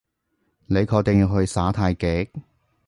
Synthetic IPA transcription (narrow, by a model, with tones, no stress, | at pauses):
ne˨˧jkʰɔː˧k̚t̪e˨ŋjiː˧wɦɵ˧ɥsaː˨˥t̪ʰaː˧jkeː˨˥k̚